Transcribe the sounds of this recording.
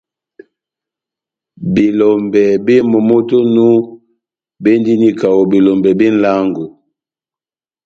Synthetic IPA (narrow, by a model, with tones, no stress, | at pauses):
bi˨lɔ˨mbɛ˨be˦mo˨mo˦to˦nu˦ | be˦ndi˦ni˦ka˨wo˨bi˨lɔ˨mbɛ˨bi˦n̩˦la˦ŋɡu˨